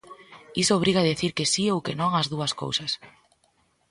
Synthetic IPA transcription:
isoːβ̞ɾiɣaðeθiɾkesiowkenõŋɐzðuɐsko̰wsɐs

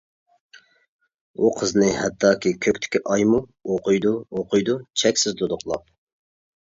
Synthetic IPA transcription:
uqʰəznɪhɛt̪ʰːɑːkʲikʲʰøkʲt̪ʰɪ̥kʲiʔɑjmuoqʰʊjd̪uoqʊjd̪ut͡ʃʰɛkʲsɪzd̪od̪ʊqlˠɑ̰p̚

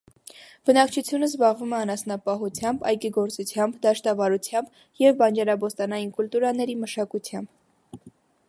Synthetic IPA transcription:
b̥ənɑkt͡ʃʰut͡sʰjunəzbɑʁvumɛɑnɑsnɑpɑɦut͡sʰjɑmbɑjkiɡɔɾt͡sut͡sʰjɑmbd̪ɑʃt̪ɑvɑɾut͡sʰjɑmb | jɛvbɑnd͡ʒɑɾɑbɔst̪ɑnɑjinkult̪uɾɑnɛɾiməʃɑkut̪ʰjɑmb

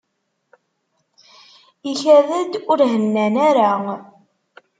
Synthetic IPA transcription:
içæðəd̪ʊɾɦənːænæɾa

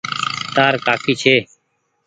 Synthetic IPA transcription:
t̪aːɾkaːkʰiːt͡ʃʰeː

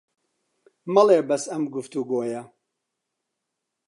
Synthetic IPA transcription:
mɐleːbɐsɐmɡʊft̪uɡoːjɐ

